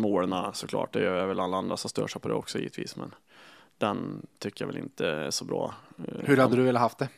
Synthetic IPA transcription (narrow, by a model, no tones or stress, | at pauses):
moːnasɔkʰlɑ̰ːʈ̚d̪ɛjøaɾvɛlalːaand̪ɾasɔmst̪œːʂɛɪpʰɔd̪ɛ̰ɔksɔjḭːət̪ʰviːsmɛn | d̪ɛnt̪ʰʏkːəjavɛlɪ̰nt̪əæʂɔbɾɑːhɵɾhad̪ːəd̪ɵveːlːaɦaft̪̚d̪ɛ